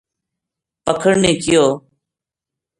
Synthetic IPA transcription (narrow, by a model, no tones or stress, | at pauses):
pəkʰəɽneːkɪjoː